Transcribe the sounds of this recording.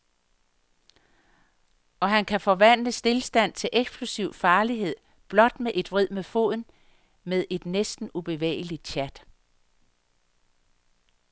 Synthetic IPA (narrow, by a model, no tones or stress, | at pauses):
ɒ̽ɦænkʰæfɒ̽ʋæn̰d̥əsd̥e̝lsd̥æn̰t͡sʰe̝lʔeɡ̥sb̥ʰlusiʊ̰fɑ̈ːliɦe̝ð̰ˠ | b̥lɒ̽d̥meʔe̝d̥ʋʁið̰ˠmefo̝ð̰ˠn̩ | meðˠʔe̝d̥nesd̥n̩ub̥e̝ʋḛːɪlid̥ɕʰæd̥